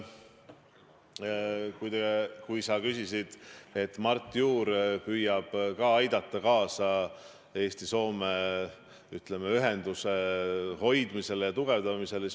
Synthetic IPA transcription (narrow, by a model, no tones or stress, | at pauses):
kujd̪ekujsɑkysisid̪̥e̞t̪ːˑmɑrt̪ːˑjuːɾpyːjɑb̥kɑːɑjd̪̥ɑt̪ˑːɑkɑːsɑ | e̞ːst̪iso̞ːme | yt̪le̞meyɦe̞nd̪useho̞jd̪mise̞ljɑt̪uɡ̥e̞vd̪̥ɑmise̞ls